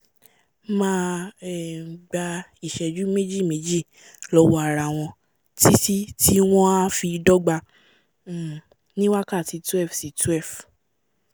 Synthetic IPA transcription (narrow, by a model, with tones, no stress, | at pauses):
mãː˦ɛ˨ɡ͡ba˧i˨ʃɛ˨d͡ʒu˨˦me˦d͡ʒi˦˨me˨˦d͡ʒi˦˨ | lɔ˧˦wɔ˧˦a˨ɾa˨w̃ɔ̃˧ | ti˦si˦tʰi˦w̃ɔ̃˦a˦fi˧dɔ˦ɡ͡ba˧˦˨ | nĩ˦wa˦ka˦˨ti˧tɛ˦˨fsi˨˧tɛ˦˨f